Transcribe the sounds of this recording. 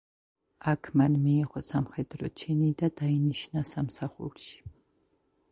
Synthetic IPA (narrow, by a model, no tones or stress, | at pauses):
akʰmanmiːʁɔsamχɛd̪ɾɔt͡ʃʰɛnid̪ad̪̥ainiʃnasamsaχṵɾʃi̥